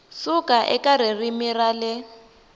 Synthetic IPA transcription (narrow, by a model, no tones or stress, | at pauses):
sukʼaʔɛ̰kʼaririmiralɪ